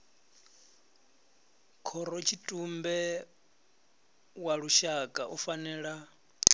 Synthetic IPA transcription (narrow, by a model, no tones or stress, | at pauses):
kʰɔɾɔt͡ʃʰitʼumbɛ | waɺuʃakʼaʔufanɛːɺa